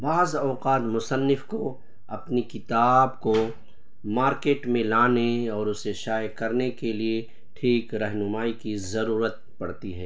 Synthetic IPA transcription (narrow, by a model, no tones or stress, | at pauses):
baːzɔːqaːt̪mʊsənːɪfko | ɐpnikɪt̪aːbko | maːɾkeːʈmẽlaːneɔːɾʊseʃaːjkɐɾnekelie | ʈʰiːkɾɐɦnʊmaːikizɐɾuːɾət̪̚ | pɐɽt̪iɦɛː